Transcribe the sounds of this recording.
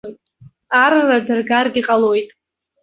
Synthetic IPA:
jtʼ | arːadɨrɡarɡʲiqʼalojtʼ

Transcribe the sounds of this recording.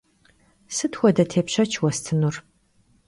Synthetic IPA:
sɨtʰxʷɔdɐtʰeːpɕɐt͡ʃʰwɔstʰɨnur

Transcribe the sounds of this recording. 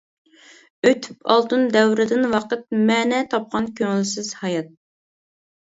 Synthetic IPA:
øt̪ʰy̥pɑ̰lˠt̪ɨnd̪ɛwɾɪd̪ɪnwɑqət̪̚mɛːnɛt̪ʰɑp̚qɑnkʲʰøŋɪlsɪz̥hɑjɑt̪̚

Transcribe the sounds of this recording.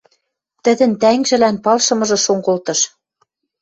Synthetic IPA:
t̪ɘ̆d̪ɘ̆nt̪æŋʒɘ̆lænpɑlʃɤ̆mɤ̆ʒɤ̆ʃoŋkolt̪ɤ̆ʃ

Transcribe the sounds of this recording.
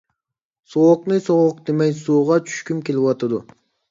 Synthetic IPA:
soʁʊqnɨsoʁʊq̚d̪emɛjsuːʁɑt͡ʃʰy̥ʃkʲymkʲelɪwɑt̪ʰɑd̪u

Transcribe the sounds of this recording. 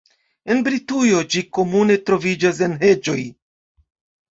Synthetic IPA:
e̞nbɾitujo̞d͡ʒiko̞mune̞tɾo̞vid͡ʒas̬e̞nɦe̞d͡ʒo̞j

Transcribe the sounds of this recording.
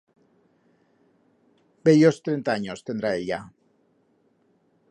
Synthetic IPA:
beʎost̪ɾent̪aaɲost̪end̪ɾaeʎa

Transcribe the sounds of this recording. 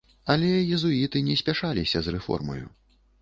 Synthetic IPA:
ɐlʲɛjizuit̪ɨnʲɛsʲpʲaʂalʲisʲɐzrɛfɔ̰rmɐ̰jṵ

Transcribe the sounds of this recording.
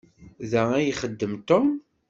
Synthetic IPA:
ðææjiχəd̪ːəmt̪om

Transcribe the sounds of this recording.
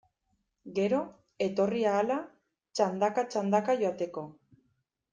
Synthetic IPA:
ɡe̞ɾo̞ | e̞t̪o̞riaːla | t͡ʃand̪akat͡ʃand̪akaʝo̞at̪e̞ko̞

